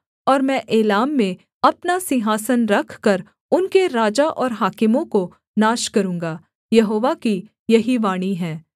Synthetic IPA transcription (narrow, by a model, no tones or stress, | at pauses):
ɔːɾmɛ̃ːʔeːlaːmːẽ | ɐpnasɪɦaːsənɾɐkʰkɐɾ | ʊnkeɾaːd͡ʒaʔɔːɾɦaːkɪmõko | naːʃkɐɾũːŋɡaː | jɐɦoːʋaki | jɐɦiʋaːɽ̃iɦɛ̃ː